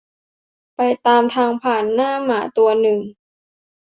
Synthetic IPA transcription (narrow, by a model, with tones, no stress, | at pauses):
pa˧jt̪aː˧mt̪ʰaː˧ŋpʰaː˨˩nːaː˥˩maː˩˦t̪u˧ɐnɯ˨˩ŋ